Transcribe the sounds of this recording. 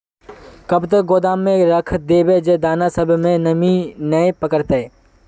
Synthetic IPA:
kəbt̪ək̚ɡoːd̪aːmːẽɾəkʰd̪eːbed͡ʒed̪aːnasəbʱmẽnəminəepəkəɾt̪eː

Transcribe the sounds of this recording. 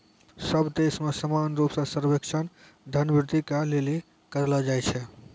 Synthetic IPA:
səbd̪esmesəmanɾupsə̃səɾbekt͡ʃʰən | d̪ʱənbɾɪd̪ʱikaleli | kəɾlɔd͡ʒajt͡ʃʰɛ

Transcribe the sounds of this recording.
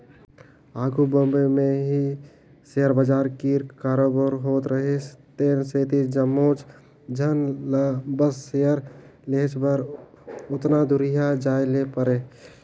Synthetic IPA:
aːɡʱubəmbemeɦi | seəɾbəd͡ʒaːɾkiɾkaːɾobəɾɦot̪ɾəɦest̪eːnset̪id͡ʒəmːoːt͡ʃ | d͡ʒʱənləbəssejəɾleɦt͡ʃbəɾ | ʊt̪nad̪uɾijad͡ʒaːjlepəɾe

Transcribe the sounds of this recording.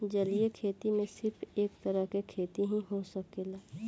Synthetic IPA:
d͡ʒɐliekʰeːt̪imẽsɪɾfʰeːkt̪ɐɾəɦkekʰeːt̪iɦĩɦosɐkelaː

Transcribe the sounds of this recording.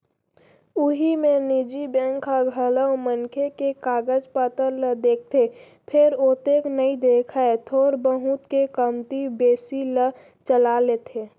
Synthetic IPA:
ʊɦimẽnid͡ʒibɛ̃ːŋkʰaɡʱələwmənkʰekekaːɡəd͡ʒpət̪əɾləd̪eːk̚ʰt̪ʰe | pʰɪɾoːt̪eːknəid̪eːkʰaet̪ʰoːɾbəɦʊt̪kekəmt̪ibeːsilə | t͡ʃəlalet̪ʰeː

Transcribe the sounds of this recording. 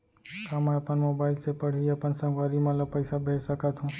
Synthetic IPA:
kamãpəɳmobaɪlsepəɽ̤ijapənsə̃ŋɡʋaɾimãlapəɪsabʱɛsəkat̪ʰɦũː

